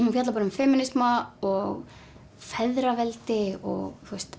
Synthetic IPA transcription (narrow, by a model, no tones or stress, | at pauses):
hunfjat̪lapɔɾʏmfɛːmɪnɪsmaɔɣ | fɛðɾavɛlt̪ɪɔ̰ɣθuəst̪